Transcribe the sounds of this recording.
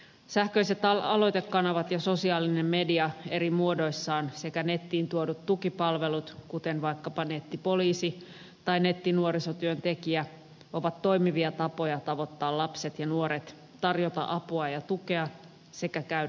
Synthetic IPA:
sæhkøiset̪ɑɑlo̞jt̪ekːɑnɑʋɑt̪jɑso̞siɑːline̞mme̞diɑe̞ɾimuodo̞jsːɑːnsekæne̞t̪ːiːnt̪uodut̪tukipɑlʋe̞lut̪kut̪enʋɑjkːɑpɑnet̪ːipo̞liːsi | t̪ɑine̞t̪ːinuoɾisot̪yønt̪e̞kiæ | ʔo̞ʋɑt̪ːo̞jmiʋiɑt̪ɑpo̞jɑt̪ɑʋo̞t̪ːɑːlɑpset̪jɑnuoɾet̪ | t̪ɑrjot̪ɑ̰ʔɑpuɑjɑt̪uke̞ɑ | se̞kækæy

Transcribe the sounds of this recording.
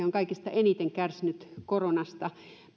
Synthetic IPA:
eoŋkɑikist̪ɑʔenit̪eŋkærsinyt̪koronɑst̪ɑ

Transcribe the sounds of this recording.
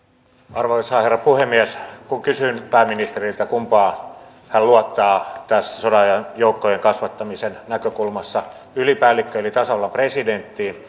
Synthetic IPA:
ɑrʋoisɑːherːɑpuhemːiæskuŋkysynpæːmːinist̪erilt̪ækumpɑː | hælluɑt̪ːɑːt̪æsːæ̥sodɑjɑnjoukːojeŋkɑsʋɑt̪ːɑmisennækøkulmɑsːɑ | ylipæːlːikːøelit̪ɑsɑolːɑmpresident̪ːiː

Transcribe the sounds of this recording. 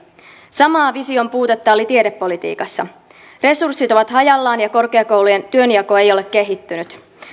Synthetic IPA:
sɑmɑːʋisio̞mpuːt̪et̪ːɑolit̪iedepːo̞lit̪ḭːkɑsːɑ | re̞sursːit̪o̞ʋɑt̪hɑjɑlːɑːnjɑko̞rkeɑkowluje̞nt̪yø̞njɑko̞e̞jo̞le̞kːe̞ɦit̪ːynyt̪

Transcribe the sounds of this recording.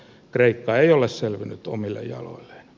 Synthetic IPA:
kreikːɑeiolesselʋinyt̪o̰milːḛjjɑ̰lo̰ilːe̥n

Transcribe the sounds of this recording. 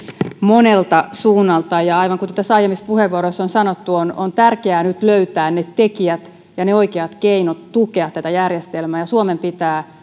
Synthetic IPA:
monelt̪ɑsuːnːɑlt̪ɑjjɑɑiʋɑŋkunt̪t̪æsɑijemispuheʋʋuoɾosːonsɑnot̪ːuonont̪ærkeæːnyt̪løyt̪æːnnet̪ekiæt̪ | jɑneoikeɑt̪keinot̪tukeɑt̪ːæt̪æjærjest̪elmæːjɑsuomempit̪æː

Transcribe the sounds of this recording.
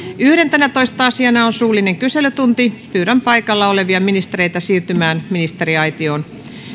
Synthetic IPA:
yhɾent̪ænæt̪oist̪ɑɑsiɑnɑonsuːlːˑineŋkyseløt̪unt̪ipyːɾæmpɑikɑlːɑoleʋiɑminist̪eɾeit̪æsiːrt̪ymæːnminist̪eriɑit̪ioːn

